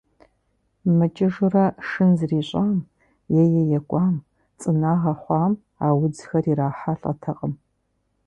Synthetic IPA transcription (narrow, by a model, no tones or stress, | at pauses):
mɨt͡ʃʼɪʐʊrɐʂɨnzriːɕʼaːm | jɛjɛjɛkʷʼɑːm | t͡sʼɨnaːʁɐχʷɑːm | aːwʊd͡zxɐriɾaːħaɬʼɐ̰tʰɐqʼəm